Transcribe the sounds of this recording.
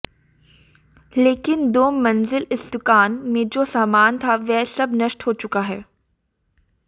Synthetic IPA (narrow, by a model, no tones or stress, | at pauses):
leːkɪnd̪oːmːɐ̃nzɪlɪsd̪ʊkaːnmẽd͡ʒoːsaːmaːnt̪ʰaʋɛsɐbnɐʃʈɦoːt͡ʃʊkaɦɛː